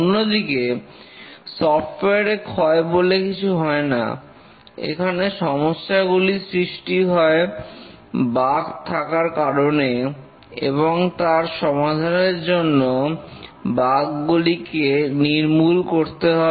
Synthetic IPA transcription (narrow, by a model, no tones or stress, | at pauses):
onːod̪ike | sɔfʈeaɾekʰɔebolekit͡ɕʰuɦɔena̰ | ḛkʰaneʃɔmoʃːaɡulisɾiʃʈiɦɔe | baɡt̪ʰakaɾkaɾone | ḛβoŋt̪aɾʃɔmad̪ʱaneɾd͡ʑonːo | baɡːulikeniɾmulkoɾt̪eɦɔ